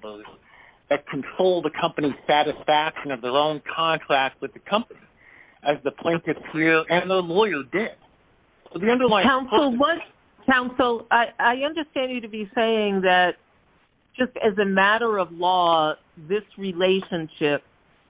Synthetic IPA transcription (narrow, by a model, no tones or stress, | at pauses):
bz̥ | ðɨt̚kʰn̩tʰɹ̥oʊlˠðɨkʰʌ̃mpɨniz̥sæɾɨsfækʃɨ̃nʌvðə˞õʊ̃nkʰɑ̃ntʰɹ̥æk̚t̚wɨðɨkʰʌ̃mpɨni | ɨzðɨpʰl̥ẽɪ̃ntɨtsɪɨ̃nðə˞lɔɪə˞dɪd̥̚ | soʊðiʌ̃ndə˞lãɪkʰãʊ̃nsl̩ˠwʌt̚ | kʰãʊ̃nsl̩ˠaɪʔaɪʌ̃ndə˞stæ̃nd͡ʒɨɾɨbiseɪɪ̃ŋðɨt̚ | d̥ʒ̥ʌstɨzɨmæɾə˞ʌvlɔ | ðɪsɹileɪʃɨ̃nʃɪp̚